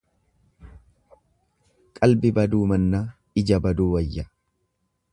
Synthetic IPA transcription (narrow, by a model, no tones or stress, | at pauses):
kʼɐlbɪbɐd̪uːmɐnːaː | ɪd͡ʒɐbɐd̪uːwɐjːɐ